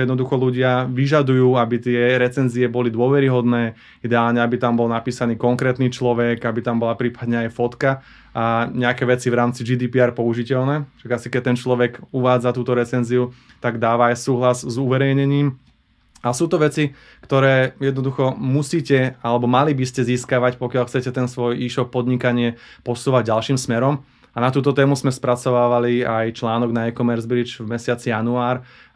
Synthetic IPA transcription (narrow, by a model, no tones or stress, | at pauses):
jɛd̪nɔd̪uxɔluɟɪaʋiʒad̪ujuːabit̪ɪɛɾɛt͡sɛnziɛbɔlid̪ʊɔʋɛɾiɦɔd̪nɛː | id̪ɛaːlɲɛabit̪ambɔlnapiːsaniːkɔŋkɾɛːt̪niːt͡ʃlɔʋɛkabit̪ambɔlapɾiːpad̪ɲɛajfɔt̪ka | aɲɛakɛːʋɛt͡siʋɾaːmt͡sid͡ʒiːd̪iːpiaːɾpɔuʒicɛlnɛːʃaɡasikɛc̚t̪ɛnt͡ʃlɔʋɛɡuʋaːd͡zat̪uːt̪ɔɾɛt͡sɛnziu | t̪aɡd̪aːʋaːjsuːɦlazzuʋɛɾɛjɲɛɲiːm | asuːt̪ɔʋɛt͡si | kt̪ɔɾɛːjɛd̪nɔd̪uxɔmusiːcɛalɛbɔmalibiscɛziːskaʋacpɔkjaʎlxt͡sɛcɛt̪ɛnsʋɔjiːʃɔpːɔd̪ɲikaɲɪɛ | pɔsuːʋaɟ̚ɟalʃiːmsmɛɾɔm | anat̪uːt̪ɔt̪ɛːmuzmɛspɾat͡sɔʋaːʋaliajt͡ʃlaːnɔɡnaɛkɔmɛɾzbɾid͡ʒvmɛsɪat͡sijanuaːɾ